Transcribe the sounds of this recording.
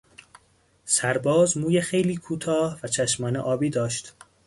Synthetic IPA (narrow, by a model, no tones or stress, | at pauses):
sæɾbɒːzmuːjexejliːkʰuːt̪ʰɒːhvæt͡ʃʰæʃmɒːneʔɒːbiːd̪ɒːʃt̪